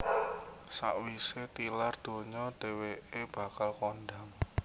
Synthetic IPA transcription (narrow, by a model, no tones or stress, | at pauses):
sa̰ʔwiset̪ilard̪̥o̤ɲɔɖ̥e̤weeb̥a̤kalkonɖa̤ŋ